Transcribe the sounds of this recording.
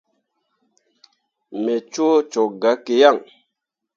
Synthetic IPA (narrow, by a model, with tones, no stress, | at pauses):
me˨t͡ʃo˦t͡ʃo˨ɡa˨˦ke˨ja˦˨ŋ